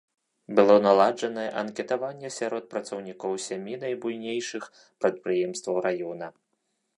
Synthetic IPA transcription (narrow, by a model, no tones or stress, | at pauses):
bɨlˠɔnalˠad͡ʐɐnɐjɛʔɐnkʲɛt̪avanʲːɛsʲaɾɔt̪̚pɾɐt̪sɔwnʲikɔwsʲamʲinɐjbujnʲejʂɨx | pɾɐt̪̚pɾɨjɛmst̪vɐwɾajɔnɐ